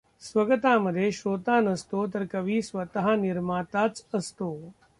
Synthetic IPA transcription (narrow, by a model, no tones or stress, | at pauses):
sʋəɡt̪aməd̪ʱːjeɕoːt̪anəst̪ot̪̬əɾkəʋiːsʋət̪əɦaniɾmat̪at͡səst̪o